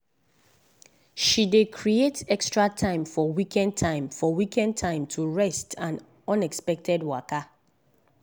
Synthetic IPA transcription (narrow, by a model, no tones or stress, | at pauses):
ʃidekʰɹietɛkstɹatʰãɪ̃mfɔwikʰɛ̃n̚tʰãɪ̃mfɔwikɛ̃ntʰãɪ̃mtʰuɹɛstʰãn | ɔ̃nɛkspɛk̚tʰɛdwaka